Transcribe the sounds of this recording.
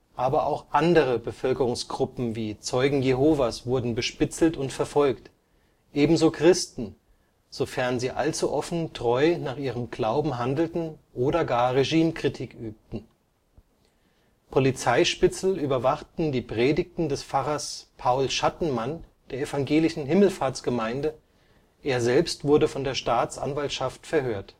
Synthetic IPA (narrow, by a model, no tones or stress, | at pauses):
ʔaːbɐʔaʊxʔandəʁ̞əbəfœlkəʁʊŋsɡ̥ʁʊpm̩viːt͡sɔʏɡŋ̩jeɦoːvasv̥ʊɐdn̩bəʃpɪt͡sl̩tʊntfɛɐfɔlkt | ʔeːbm̩zoːkʁ̥ɪstn̩ | z̥ofɛɐnziːʔalt͡suʔɔfn̩tʁ̥ɔʏnaːχʔiːʁəmɡ̥laʊbm̩ɦandl̩tn̩ʔoːdɐɡaːɐʁeʒiːmkʁ̥itʰiːkʔyːp̚tn̩ | pʰolit͡saɪʃpɪt͡sl̩yːbɐvaχtn̩diːpʁ̥eːdɪk̚tn̩dɛsfaʁɐspʰaʊlʃatn̩mand̥eːɐefaŋɡeːlɪʃn̩ɦɪml̩faːɐsɡ̥əmaɪndə | ʔeːɐzɛlpstv̥ʊɐdəfɔndeːɐʃtaːt͡sʔa̰nvaltʃaftfɛɐhøːɐt